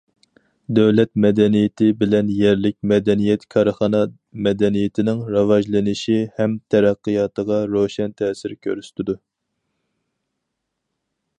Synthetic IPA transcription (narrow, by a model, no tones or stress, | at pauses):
d̪ɛwlɛt̪̚mɛd̪ɛnijɪt̪ʰɪbɪlɛnjɛɾlɪkʲmɛd̪ɛnijɛt̪kʲʰɑɾχɑnɑ | mɛd̪ɛnijɪt̪ʰɪnɪŋɾɑwɑʒlˠɨnɪʃihɛmt̪ʰɛɾæqːɨjɑːt̪əʁɑɾoʃɛnt̪ʰɛːsɪɾkʲʰøɾyst̪ɪd̪u